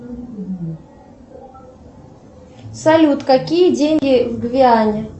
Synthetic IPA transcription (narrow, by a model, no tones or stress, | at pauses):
sɐlʲut̪kakʲijədʲenʲɡʲɪvɡvʲɪanʲɪ